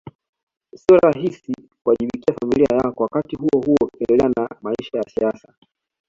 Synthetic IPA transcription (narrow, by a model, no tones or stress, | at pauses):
siɔɾaɦisi | kuwaʄiɓikiafamilia̰jakɔwakatiɦuɔhuɔkɛndɛlɛanamaiʃajasiasa